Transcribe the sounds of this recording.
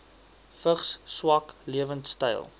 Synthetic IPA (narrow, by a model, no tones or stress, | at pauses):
fəχsswɐkliəvəntstə̰jlˠ